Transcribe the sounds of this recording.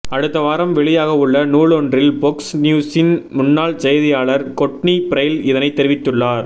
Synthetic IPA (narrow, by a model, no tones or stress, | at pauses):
ɐɽɯt̪ːɐʋaːɾɐmʋɛɭɪjaːɣɐʊɭːɐnuːɭɔndrɪlbɔksnjuːsɪnmʊnːaːɭsɛjɐðɪjaːɭɐɾkɔʈnipɪɾɐjlɪðɐnɐɪt̪ːɛɾɪʋɪt̪ːɯɭːaːɾ